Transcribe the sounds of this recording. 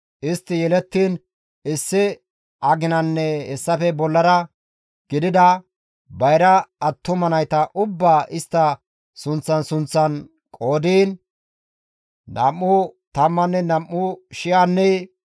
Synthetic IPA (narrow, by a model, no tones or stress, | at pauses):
ʔɪst̪ːɪjɛlɛt̪ːiːn | ɪsːɪ | ɐɡɪnɐnːɛhɛsːɐfɛbɔlːɐɾɐ | ɡ̥ɪd̪ɪd̪ɐ | bɐjɾɐːt̪ːʊmɐnɐjt̪ɐʔʊbːaːʔɪst̪ːɐ | sʊnt͡sːɐnsʊnt͡sːɐn | kʼo̞ːd̪iːn | ɐ̰mːʊt̪ɐmːɐnːɛnɐmːʊʃɪjanːɛ